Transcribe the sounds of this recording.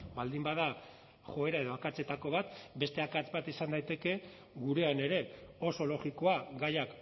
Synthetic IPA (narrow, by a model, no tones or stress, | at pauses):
bald̪imbaða | xo̞e̞ɾae̞ð̞o̞akat͡se̞t̪ako̞βat̪be̞st̪e̞akat͡sbat̪isand̪ajt̪e̞ke̞ | ɣuɾe̞ane̞ɾe̞o̞so̞lo̞ɣiko̞aɡajak